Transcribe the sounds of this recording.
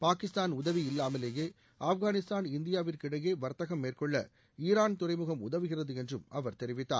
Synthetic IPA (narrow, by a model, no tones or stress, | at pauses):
paːkɪst̪aːnʊðɐʋiɪlːaːmɐleːjeː | ɐfɣaːnɪst̪aːnɪnd̪ɪjaːʋɪrkɪɽɐjeːʋɐɾt̪ɐɣɐmːeːrkɔɭːɐ̰ | iːɾaːnt̪ʊrɐɪmɯɣɐmʊðɐʋɯɣɪrɐðɯɛndrɯmɐʋɐɾt̪ɛɾɪʋɪt̪ːa̰ːɾ